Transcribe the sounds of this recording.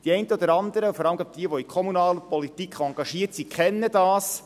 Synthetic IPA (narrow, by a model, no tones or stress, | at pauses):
d̥iɛɪntəɔd̪əɾɑnd̪əɾəufɔɾɑləmɡɑp̚d̥iəʋɔikʰɔmunɑːləpɔlit̪ikχɑŋɡ̥ɑʃiːətsikχɛnːəd̥̪ɑːs